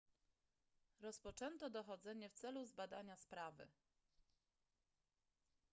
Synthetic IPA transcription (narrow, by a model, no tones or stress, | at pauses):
ɾɔspɔt͡ʂɛnt̪ɔd̪ɔxɔd̪zɛɲɛft̪sɛluzbad̪aɲaspɾavɘ̰